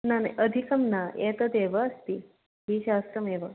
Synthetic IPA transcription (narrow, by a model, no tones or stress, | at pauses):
nanajʔəd̪ʱikəmnaet̪əd̪eʋəəst̪iː | ɦiːɕast̪ɾəmeʋə